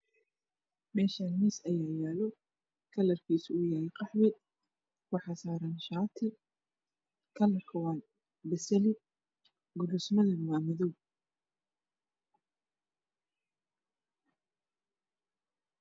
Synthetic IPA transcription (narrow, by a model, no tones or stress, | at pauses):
mɛːʃanmisɐjaːjaːlɔ | kʰɐlɐrkʰiːsʊʊjaːlqɑħwɛ | wɑħɑsaːɾɐnʃaːt̪ʰɪ | kʰɐlɐrkʰɐwɑːn | bɛsɐlɪ | ɡʊlusmɐðɐnwɑːmɪðɔw